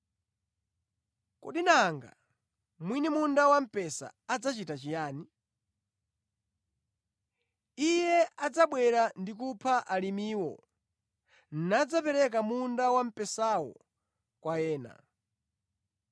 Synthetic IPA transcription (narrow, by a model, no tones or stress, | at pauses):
kɔ̰ɗinaŋɡa̰ | mwinimundawam̩pɛsa̰ad͡zat͡ʃitat͡ʃijaːni | ijɛad͡zaɓwɛɾandik̬upʰaʔalimiːwɔ̰ | nad͡zapɛɾɛk̬amundawam̩pɛsawɔ̰ | kwajɛːna̰